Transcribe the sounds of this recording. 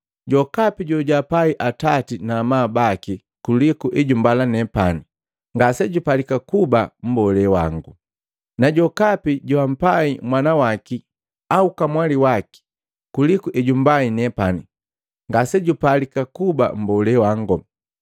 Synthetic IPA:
ɟɔkapiɟɔɟapaiʔatatinamabaki | kulikuʔɛɟumbalanɛpani | ŋɡasɛɟupalikakubam̩bɔlɛwa̰ŋɡu | naɟɔkapiɟuam̩paimwanawaki | aukamwaliwaki̥ | kulikuʔɛɟumbainɛpani | ŋɡasɛɟupalikakuba̰m̩bɔlɛwaŋɡɔ

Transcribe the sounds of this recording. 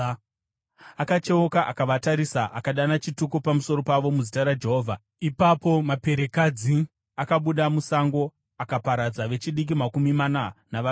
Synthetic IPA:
akat͡ʃe̞okaʔakaʋataɾisaʔakaɗanat͡ʃitukupamuso̞ɾo̞paʋo̞muzitaɾad͡ʒe̞ɦo̞ːvʱa | ipapo̞mape̞ɾe̞kad͡zi | akaɓuɗamusaŋɡo̞ | akapaɾad͡zaʋe̞t͡ʃiɗik̬imakumimananaʋa

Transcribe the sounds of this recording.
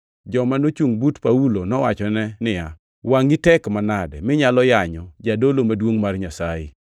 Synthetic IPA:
d͡ʒɔmanot͡ʃuŋbutpaulonɔwat͡ʃɔnɛnɪja | waŋitɛkmanadɛmɪɲalɔjaɲɔd͡ʒadolomadwoŋmarɲasajɪ̰

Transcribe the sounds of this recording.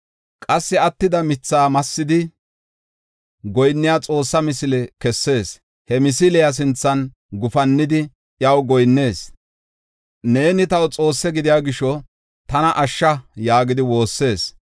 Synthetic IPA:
kʼɐsːɪɐt̪ːɪd̪ɐmɪt͡sːaːmɐsːɪd̪ɪ | ɡɔjnːɪjat͡sʼo̞ːsːɐmɪsɪlɛkɛsːe̞ːs | hɛmɪsɪlɛjɐs̬ɪnt͡sːɐn | ɡʊfɐnːɪd̪ɪ | jɐwɡɔjnːe̞ːs | ne̞ːnɪt̪ɐwt͡sʼo̞ːsːɛɡɪd̪ɪjaːɡɪʃɔ | t̪ɐnɐʔɐʃːɐjaːɡɪd̪ɪwo̞ːsːe̞ːs

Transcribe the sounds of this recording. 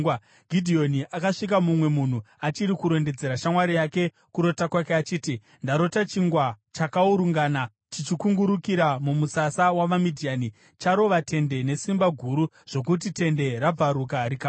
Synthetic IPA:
ɡʱidʱio̞niʔakaʂik̬amumwe̞mun̤u | at͡ʃiɾikuɾo̞nde̞d͡ze̞ɾaʃamwaɾijake̞ | kuɾo̞takwakeat͡ʃiːti | ndaɾo̞tat͡ʃiŋɡwat͡ʃakauɾuŋɡaːna | tit͡ʃikuŋɡuɾukiɾamumusasawaʋamidʱijani | t͡ʃaɾo̞ʋatʰe̞nde̞ne̞simbaɡʱuɾu | ʐ̥o̞k̬ut̬ite̞nde̞rab͡vaɾukaɾika

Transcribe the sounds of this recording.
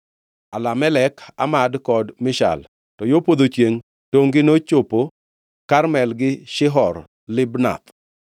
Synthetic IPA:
alamɛlɛkʰa̰madkɔdmɪʃa̰l | tɔjopod̪ot͡ʃjeŋ | toŋɡɪnot͡ʃopo | karmɛlɡɪʃɪɦɔr | lɪbna̰t̪

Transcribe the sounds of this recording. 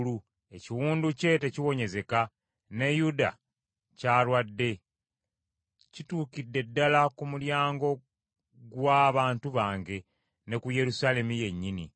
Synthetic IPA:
lu | e̞ciwuːnduce̞te̞ciwo̞ɲe̞ze̞ka | ne̞juda̰ | caːɾwadːe̞ | cituːkidːe̞dːalakumuljaːŋɡo̞ | ɡwaːβaːntuβaːŋɡe̞ | ne̞kuje̞ɾusaːle̞mije̞ɲːini

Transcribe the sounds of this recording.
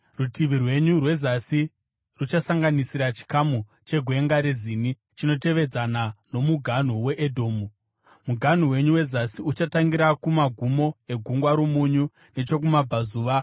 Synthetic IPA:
rutiʋirwe̞ɲurwe̞zasi | rut͡ʃasaŋɡanisiɾat͡ʃi̥kamu | t͡ʃe̞ɡʱwe̞ŋɡaɾezini | t͡ʃino̞te̞ʋe̞d͡zanano̞muɡʱan̤uwe̞ʔːdʱo̞ːmu | muɡʱan̤uwe̞ɲuwe̞zasiut͡ʃataŋɡiɾakumaɡʱumo̞e̞ɡʱuŋɡwaɾomuɲu | ne̞t͡ʃo̞k̬umab͡vazuːʋa

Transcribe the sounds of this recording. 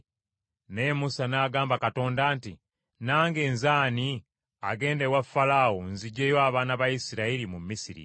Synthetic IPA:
nemusanaːɡaːmbakato̞ːndaːnti | naːŋɡe̞ːnzaːni | a̰ɡe̞ːndewafːalaːwonziɟːejoaβaːnaβajisiɾaiɾimumːisiɾḭ

